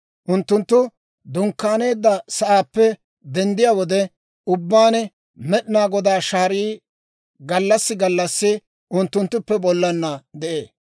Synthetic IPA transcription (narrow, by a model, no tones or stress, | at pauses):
ʔʊnt̪ːʊnt̪ːʊ | d̪ʊŋkːaːne̞ːd̪ːɐsɐʔaːpːɛ | d̪ɛnd̪ɪjawɔd̪ɛ | ʊbːaːnɛ | mɛɗɪnaːɡɔd̪aːʃaːɾiː | ɡɐlːɐsːɪɡɐlːɐsːɪ | ʔʊnt̪ːʊnt̪ːʊpːɛbɔlːɐnːɐd̪ɛʔḛːs